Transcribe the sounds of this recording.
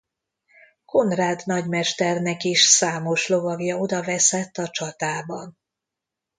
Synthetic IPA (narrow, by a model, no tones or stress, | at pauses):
ko̞nraːd̪nɒɟmɛʃt̪ɛrnɛkiʃsaːmo̞ʃlo̞vɒɡjɒo̞d̪ɒvɛsɛt̪ːɒt͡ʃɒt̪aːbɒn